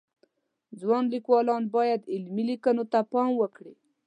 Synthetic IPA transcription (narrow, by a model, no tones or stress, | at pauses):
d͡zwɑnlikwɑlɑnbɑjad̪ɪlmilikanot̪apɑmwəkɽi